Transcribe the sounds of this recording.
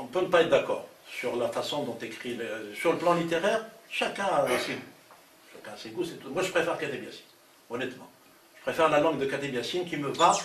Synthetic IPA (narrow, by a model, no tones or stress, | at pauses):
ɔ̃pønəpaɛt̪χd̪akɔːʁsyʁlafasɔ̃d̪ɔ̃t̪ekχilesyʁləplɑ̃lit̪eʁɛʁʃakɛ̃aseɡu | ʃakɛ̃aseɡusɛt̪u̥mwaʒəpχefɛʁkat̪ebjasi̥n | ɔnɛt̪mɑ̰̃ | ʒ̥ə̥pχefɛʁlalɑ̃ɡd̪əkat̪ebjasinkʲiməva